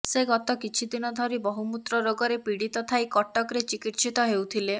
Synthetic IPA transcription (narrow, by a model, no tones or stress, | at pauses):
seɡɔt̪ɔkit͡ʃʰid̪inɔd̪ʱɔɾibɔɦumut̪ɾɔɾoɡɔɾepiɽit̪ɔt̪ʰajkɔʈːɔkɾet͡ʃikiʈsit̪ɔɦewt̪ʰile